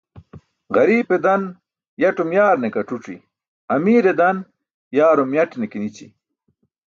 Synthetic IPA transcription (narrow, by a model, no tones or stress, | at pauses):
ɣɐɾiːped̪ɐn | jɐʈumjaːɾnekɐʈ͡ʂuʈ͡ʂḭ | ɐmiːɾed̪ɐn | jaːɾumjɐʈnekinit͡ɕḭ